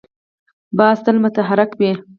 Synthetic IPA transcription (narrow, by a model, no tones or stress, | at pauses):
bɑːsd̪əlmʊt̪aɦaɾɪkbe